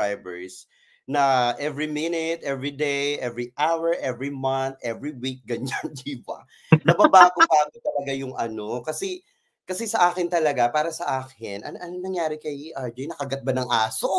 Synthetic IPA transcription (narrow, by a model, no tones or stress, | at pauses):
ajbɛɹs | nɐʔɛvɹimɪnɛt̪ʔɛvɹid̪ejʔɛvɹiʔawɛɹʔɛvɹimɐnt̪ʔɛvɹiwik̚ɡɐɲand̪iːbɐ̰ | nɐbabaːɡobaːɡot̪ɐlɐɡajʊŋʔɐno̞kɐsɛ | kɐsɛsɐʔaːkɪnt̪ɐlɐɡapaːɾɐsɐʔaːkɪnʔɐ̰nʔɐnonɐŋjaːɾɪkɐjʔɐd͡ʒɛjnɐkɐɡɐt̪̚bɐnɐŋʔaːso